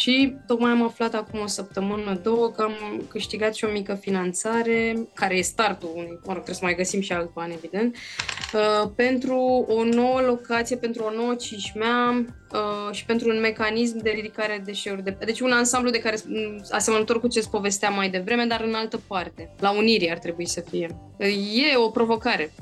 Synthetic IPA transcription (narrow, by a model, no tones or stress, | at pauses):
ʃit̪o̞kmajamaflat̪akumo̞səp̚t̪əmɨnəd̪o̞wəkəamkɨʃt̪iɡat̪ʃio̞mikəfinant̪saɾe̞kaɾe̞je̞st̪art̪uunujməɾot̪ɾeesəmajɡəsimʃialt̪̚bane̞vid̪e̞nt̪̚əpe̞nt̪ɾuono̞wəlo̞kat̪sijepe̞nt̪ɾuo̞no̞wət͡ʃiʃmea | əʃi̥pe̞nt̪ɾuːnme̞kanis̬md̪eliɾikaɾe̞d̪e̞ʃe̞urʲd̪ed̪e̞t͡ʃunansamblud̪e̞kaɾe̞a̰semənət̪o̞rkuat͡ʃe̞st̪̚po̞ve̞st̪eamajd̪e̞vɾe̞me̞d̪aɾɨnalt̪əpart̪e̞launiɾiart̪ɾe̞buisəfije̞ | je̞o̞pɾo̞vo̞kaɾe̞